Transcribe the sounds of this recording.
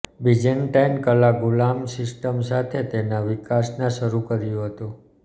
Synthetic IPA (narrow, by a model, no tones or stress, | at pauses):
bid͡ʒənʈajnkəlaɡulamsɪsʈəmsat̪ʰet̪enaʋikasnãʃəɾukəɾjõɦət̪u